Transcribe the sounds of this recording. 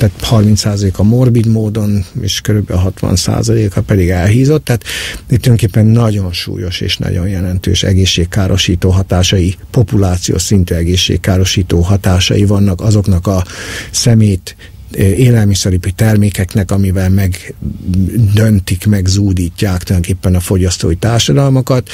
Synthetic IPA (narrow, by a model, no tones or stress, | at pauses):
t̪aːt̪hɒrmint̪saːzɒleːkɒmo̞rbid̪moːd̪o̞nḛːʃkøɾybɛ̰lɦɒt̪ʋɒ̰nsa̰ːzɒleːkɒpɛd̪iɡɛlɦiːzo̞t̪ːaːt̪it̪ud̪øŋkeːpːɛnːɒɟo̞nʃṵːjo̞ʃḛːʃnʔɒ̰ɟo̞̰njɛlɛnt̪ø̰ːʃɛ̰ɡeːʃːeːkkːaːɾʔo̞ʃiːt̪oːɦɒt̪aːʃɒjipo̞pulaːt̪sijo̰ːʃsint̪yːɛɡeːʃːḛːkːaːɾo̞ʃiːt̪oːɦɒt̪aːʃɒ̰jivɒnːɒkɒzo̞knɒkɒsɛmeːjt̪ | eːlɛlmisɛɾipit̪ɛrmeːkɛknɛkɒmivɛlmɛɡ | d̪ønt̪ikmɛɡzuːd̪iːcːaːk̚t̪uld̪oŋkeːpːɛnɒfo̞ɟɒst̪o̰ːit̪aːrʃɒd̪ɒlmokɒt̪